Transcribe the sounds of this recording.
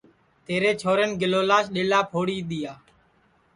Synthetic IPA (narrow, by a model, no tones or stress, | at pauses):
t̪eːɾeːt͡ʃʰoːɾenɡɪloːlaːsɗeːlaːpʰoːɽiːɗ̪ɪjaː